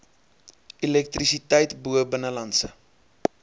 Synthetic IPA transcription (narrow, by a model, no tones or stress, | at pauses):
ilɛk̚trisitɛjtbuəbənəlɐnsə̰